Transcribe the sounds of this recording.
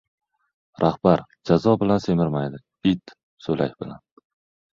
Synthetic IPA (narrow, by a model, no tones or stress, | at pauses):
ɾʔahb̥aɾd͡ʒazɒbɪlanse̞mɪɾmajd̪ɪ | ɪt̪ | solakʲbɪla̰n